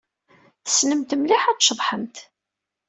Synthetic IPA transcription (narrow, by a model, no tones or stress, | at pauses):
θə̥snəmt̪əmliħæt͡sʃəðˤħəmt̪